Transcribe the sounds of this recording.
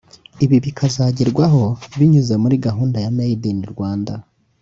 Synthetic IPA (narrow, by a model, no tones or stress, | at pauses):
iβiβikʰazaɟiɾɡwaɦo̞βiɲuze̞muɾiɡaɦuːndajanajidiniɾɡwaːnda